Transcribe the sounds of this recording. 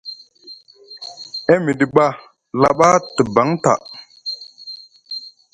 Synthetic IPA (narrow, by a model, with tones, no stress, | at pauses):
ɛ˦mi˨di˨ɓa˦ | la˨ɓa˦tə˨ba˨˦ŋta̰˨